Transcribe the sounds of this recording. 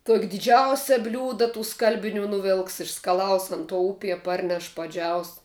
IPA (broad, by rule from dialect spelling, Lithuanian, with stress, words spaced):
tuɔkʲ dʲɪˈd͡ʒʲɛʊsʲɛ ˈbʲlʲuːdɐ tuː ˈskɐlʲbʲɪˌnʲuː nʊˈʋʲɪlˠks ɪʃskɐˈlˠɐʊs ˈɐn tuɔ ˈʊpʲiɛ ˈpɐrʲnʲɛʃ pɐˈd͡ʒʲɛʊs